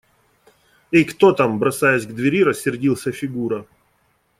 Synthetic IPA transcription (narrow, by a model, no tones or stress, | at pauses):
ikt̪ot̪ambɾɐsajɛsʲɡd̪vʲɪɾʲiɾəsʲːɪrdʲilˠsʲəfʲɪɡuɾə